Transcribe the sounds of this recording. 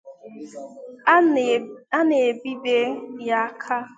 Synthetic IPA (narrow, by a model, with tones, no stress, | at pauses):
a˦ne˨bi˦be˦ja˦a˦kʰa˦